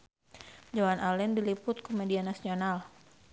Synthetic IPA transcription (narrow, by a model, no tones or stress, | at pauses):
d͡ʒawanʔalɛndilipʊt̪̚komedianasional